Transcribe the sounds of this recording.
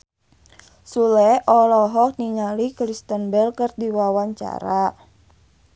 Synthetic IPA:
sulɛʔɔlɔɦɔk̚niɲalikɾist̪ənbɛlkərdiwawaɲt͡ʃa̰ɾa

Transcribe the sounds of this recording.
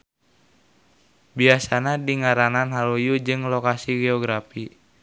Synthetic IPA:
biasanadiŋaɾananɦalujud͡ʒɨŋlokasiɡeɔɡɾafi

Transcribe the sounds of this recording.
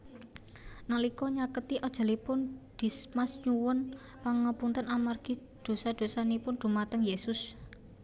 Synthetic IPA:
nalikɔɲakət̪iʔɔd̥ʒ̥a̤lipʊnd̥i̤smasɲuwʊn | paŋəpunt̪ənamarɡ̥i̤ | d̪̥o̤sad̪̥o̤sanipʊnɖ̪̥ṳmat̪əŋjesʊs

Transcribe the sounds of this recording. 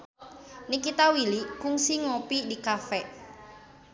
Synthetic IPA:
nikit̪awilikʊŋsiŋopidikafɛ

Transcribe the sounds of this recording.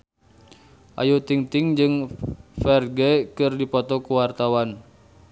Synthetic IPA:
ʔa̰jut̪iŋt̪ɪŋd͡ʒɨŋfɛrɡɛkɨrdipɔt̪ɔkuwart̪awan

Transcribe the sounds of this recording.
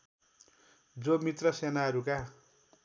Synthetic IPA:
d͡zomit̪rʌsenaɦʌɾuka

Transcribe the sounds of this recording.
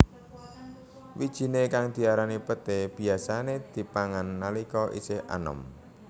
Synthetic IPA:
wid̥ʒ̥i̤nekaŋd̪̥i̤aɾanipət̪eb̥i̤asaned̪̥i̤paŋanːalikɔʔḭsɪhʔa̰nɔ̰m

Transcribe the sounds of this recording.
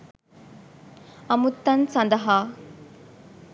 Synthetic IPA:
ɐmut̪ːɐnsɐnd̪ɐɦaː

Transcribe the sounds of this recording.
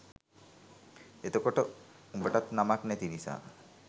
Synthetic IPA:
et̪okoʈəumbəʈat̪namaknɛt̪inisa̰ː

